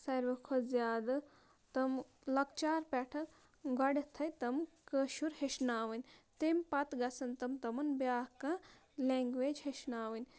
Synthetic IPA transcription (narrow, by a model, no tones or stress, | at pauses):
sɐɾʋɐkʰozjaːd̪ɐ | t̪ɐm | lɐkt͡ʃaːɾpɛːʈʰɐt̪ | ɡɐɽʲet̪ʰɐjt̪ɐmkəʃuɾheʃnaːʋɐnʲt̪empɐt̪ɡɐsɐnt̪ɐmt̪ɐmɐnbjaːka | leŋɡʋeːd͡ʒheʃnaːʋɐnʲ